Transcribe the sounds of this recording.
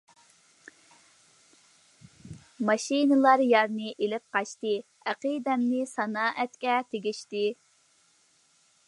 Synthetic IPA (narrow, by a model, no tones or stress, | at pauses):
mɑʃinɨlˠɑɾjɑɾnɨʔelɪp̚qɑʃt̪ɨ | æqɨd̪ɛmnɪsɑnɑːʔɛt̪kʲɛt̪ʰeɡʲiʃt̪ɪ